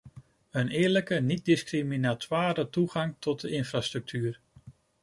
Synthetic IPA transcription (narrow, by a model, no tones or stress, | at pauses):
ənɪːɹləkənit̚dɪskriminatwaːɾətuχɑŋtɔt̚dəʔɪnfraːstrɵk̚tʰyːr